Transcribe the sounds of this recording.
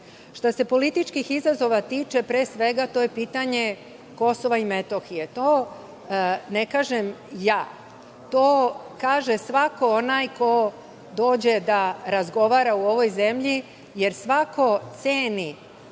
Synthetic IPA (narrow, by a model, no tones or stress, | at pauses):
ʃt̪ase̞po̞lit̪it͡ʃkixizazo̞ʋat̪iːt͡ʃe̞pɾeːsʋe̞ɡat̪o̞ːje̞piːt̪aɲe̞ | ko̞so̞ʋaime̞t̪oxije̞t̪oː | nekaːʒemjaː | t̪oːkaːʒesʋako̞onajko̞ | d̪o̞ːd͡ʑe̞d̪aɾazɡo̞ʋaːɾauo̞ʋo̞jze̞mʎi | je̞ɾsʋako̞t̪seːni